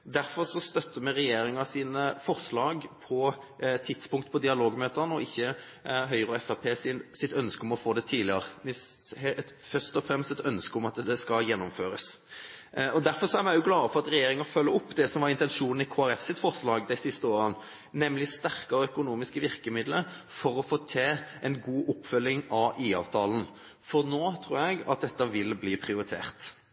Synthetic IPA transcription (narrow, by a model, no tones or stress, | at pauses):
d̪æɾfɔɾʂɔst̪œt̪ːəmɛɾɛjeːɾɪŋɑsiːnəfɔɾslɑːɡpʰɔ | t̪ʰɪd̪spʊŋk̚t̪pʰɔd̪ɪɑloːɡmøːt̪ənəɔɪçːə | ɦœʏɾɔɛfɑpʰeːsɪnsɪt̪œnskəɔmɔfoːd̪ɛt̪ʰiːdlɪɑʁənɪst̪fœʁst̪ɔfɾɛmst̪ɛt̪œnskəɔmɑt̪d̪ɛskɑljɛnːʊmføːɾəs | ɔd̪æɾfɔʁsɔæɾmæɪjʊɡlɑːfɔʁɑt̪ɾɛjeːɾɪŋfœlːəʊpːd̪ɛsɔmʋɑɾɪnt̪ɛnʃuːnn̩ɪkʰoːæɾɛfsɪt̪fɔʁʂlɑːɡd̪æɪsɪst̪əoːɾən | nɛmlɪst̪æʁkɑɾəœkʊnuːmɪskəʋɪʁkəmɪd̪ləfɔɾɔfoːt̪ʰeːʔɛnɡuːʔʊpːfœlːɪŋɑʔiːɑ̰ːʋt̪ʰɑːln̩ | fɔɾnoːt̪ʰɾṵːɾjɛɡɑ̰t̪̚d̪ɛt̪ːɑʋɪlbliːpʰʁɪʊɾɪt̪ʰḛːʁt̪